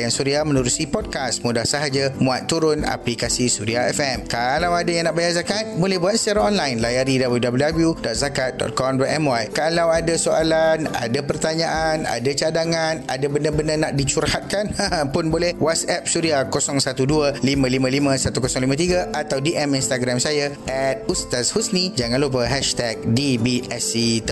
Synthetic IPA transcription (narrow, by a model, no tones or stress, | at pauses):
jaŋsuɾiamə̃nuɾusipɔd̚kast̪mudahsaɦad͡ʒamũat̪ːuɾʊna̰plikasisuɾiaɛfɛmkalawadajaŋnaʔbajarzakat̪̚bolɛhbuat̪̚sət͡ʃaɾaŋɔnlajnlajaɾidabəljudabəludabljudɔt̪̚zakat̪̚dɔ̰t̪̚kɔmdɔʔ̪ɛmwajkalawadasoa̰lana̰dapərt̪aɲãʔana̰dat͡ʃadaŋana̰dabəndəbəndənaʔ̚dit͡ʃurhat̪̚kanpʊnbolɛhwat̪sɛp̚suɾiakosɔŋsat̪uduəlimãlimãlimə̃sat̪ukosɔŋlimãt̪iɡaʔat̪awdiʔɛminst̪aɡɾamsajaʔɛt̪̚ust̪ashusnĩd͡ʒaŋãnlup̬əɦɛʃt̪ɛk̚dibiɛsit̪